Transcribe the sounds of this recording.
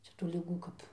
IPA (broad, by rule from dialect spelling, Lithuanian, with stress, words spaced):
ˈt͡ʃʲɛ tuː lʲɪˈɡuː kɐp